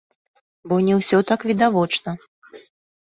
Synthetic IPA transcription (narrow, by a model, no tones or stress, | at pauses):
bɔnʲɛwsʲɔt̪akvʲid̪avɔt͡ʂnɐ